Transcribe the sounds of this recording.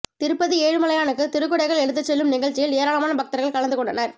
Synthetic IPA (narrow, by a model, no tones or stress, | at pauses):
t̪ɪɾɯpːɐðɯeːɻɯmɐlɐjaːnɯkːɯt̪ɪɾɯkːɯɽɐɪɣɐɭɛɻɯt̪ːɐt͡ʃːɛlːɯmnɪɣɐɭt͡ʃːɪjɪleːɾaːlɐmaːnɐbɐk̚t̪ɐɾɣɐɭkɐlɐnd̪ɯkɔɳɖɐnɐɾ